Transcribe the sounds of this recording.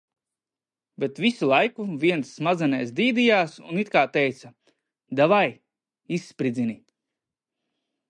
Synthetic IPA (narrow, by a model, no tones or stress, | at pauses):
bet̪visulˠajkuviɛnsːmazɛnɛːsd̪iːd̪ijaːsṵnit̪kaːt̪ɛjt̪sa | d̪avaj | isːpɾid̪zini